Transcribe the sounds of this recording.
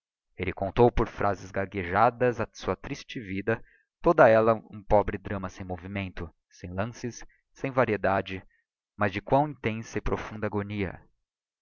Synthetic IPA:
elɪkõnt̪owpoɾfɾʔazɪzɡaɡeʒad̪ɐzɐsuɐt̪ɾist͡ʃɪvid̪ɐ | t̪od̪ɐɛlɐṵ̃pɔbɾɪd̪ɾɐ̃mɐsẽj̃movimẽnt̪ʊ | sẽj̃lɐ̃sɪsː | ẽj̃vaɾied̪ad͡ʒɪ | mɐzd͡ʒɪkwɐ̃w̃ĩt̪ẽsɐɪpɾofũnd̪ɐaɡoniɐ̰

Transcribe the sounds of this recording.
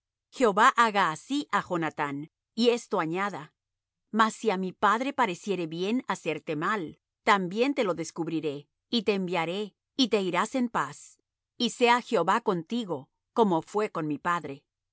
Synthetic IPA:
xe̞o̞βaʔaɣaːsiʔaxo̞nat̪an | ie̞st̪o̞aɲaða | masːiamipaðɾe̞paɾe̞sje̞ɾe̞βje̞nase̞ɾt̪e̞mal | t̪ambje̞nt̪e̞lo̞ðe̞skuβɾiɾe̞ | it̪e̞ːmbjaɾe̞ | it̪e̞iɾase̞mpas | ise̞axeo̞βako̞nt̪iɣo̞ | ko̞mo̞fwe̞ko̞nmipaðɾe̞

